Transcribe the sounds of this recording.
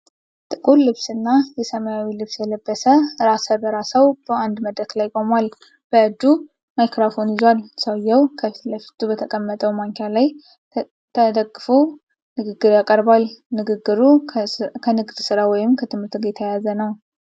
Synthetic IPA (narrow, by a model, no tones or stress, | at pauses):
t̪ʼɨkʼullːɨβsɨnːajɛsəmajawilɨβsjɛləbːəsəɾasəbəɾasəwb̥əand̪məd̪ɾət̪lajkʼomal | b̥əɨd͡ʒ̪ːu | majkɾafo̞njɪzwalsəwjːɛwkʰəfit̪ləfi̥t̪ʰʼːubət̪ʰəkʼəmːət̪ʼəwmaŋkʰalaj | t̪ʰəd̪əɡːɨfo | nɨɡɨɡːɨɾjakʼəɾbalnɨɡɨɡːɨɾukʰənɨɡd̪̥sɨɾawɔjɪmkʰət̪ʰɨmɨɾt̪ɡet̪ʰajazənəw